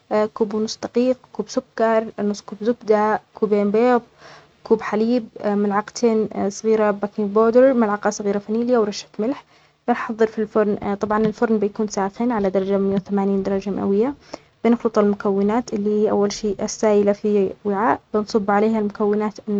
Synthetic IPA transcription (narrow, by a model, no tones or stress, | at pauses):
kuːbnʊsˤːd̪aqiːq̚kuːbsʊkːɑɾˤnʊsˤːkuːbzʊkd̪akuːbeːmbeːðˤ | kuːbħaliːb̚mɪlʕɑqt̪ʰeːnsˤɣiːɾabakɪboːd̪əɾmɪlʕɑqɑsˤɣiːɾafaniːlɪjːawɾˤɑʃḁt̪mɪlħ | b̥ɪnħɑðˤːɨɾfilfʊɾˤnt̪ˤɑbʕɑnɪlfʊɾˤnbɪjakuːnsaːxɪnʕalad̪ɑɾˤɑd͡ʒamɪjawθamaːniːnd̪ɑɾˤɑd͡ʒama̰ʔa̰wɪjːa | b̥ɪnxlɨt̪ˤɑlmʊkawːɪnaːt̪ʔɪlːiːhiːʔa̰wːalʃiːʔɪsːaːjɪlafiwɪʕaːʔbɪnsˤɨbːʕaleːhalmʊkawːɪnaːt̪ʔɪnː